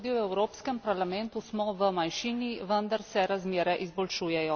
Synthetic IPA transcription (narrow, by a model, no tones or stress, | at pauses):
d̪iwɛwɾoːpskɛmpaɾlamɛnt̪usmɔʋəmanʃiːniʋənd̪aɾsɛɾazmeːɾɛʔizbɔlʃuːjɛjɔ